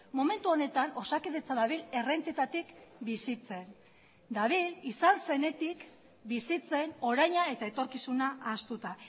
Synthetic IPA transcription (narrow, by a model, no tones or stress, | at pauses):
mome̞nt̪uo̞ne̞t̪ano̞sakiðet͡saðaβ̞ile̞re̞nt̪it̪at̪ikbisit͡se̞n | d̪aβ̞ilisalse̞ne̞t̪ik | bisit͡se̞no̞ɾajɲae̞t̪ae̞t̪o̞ɾkisunaʔːst̪ut̪a